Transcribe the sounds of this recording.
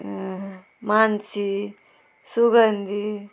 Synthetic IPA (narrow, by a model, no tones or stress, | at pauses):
mansi | suɡənd̪i